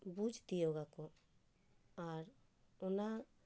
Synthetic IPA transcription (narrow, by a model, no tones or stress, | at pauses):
bud͡ʒʱt̪ijɔɡakɔ | aɾ | ɔna